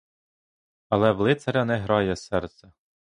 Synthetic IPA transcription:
ɐlˠɛʋlˠɪt̪sɐɾʲɐnɛɦɾɑjɛsɛrt̪sʲɛ

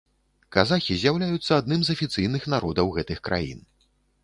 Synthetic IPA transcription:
kazaxʲizʲjawlʲajut̪sːɐad̪nɨmzɐfʲit̪sɨjnɨxnaɾɔd̪ɐwɣɛt̪ɨxkɾʔa̰jḭn

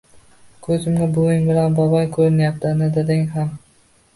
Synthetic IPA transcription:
kʰɵzɪmɡʲabʊjɪŋbɪlanbɒbɒjkʰɵɾɪnjapt̪ʰɪnɪd̪ad̪ɪŋɦam

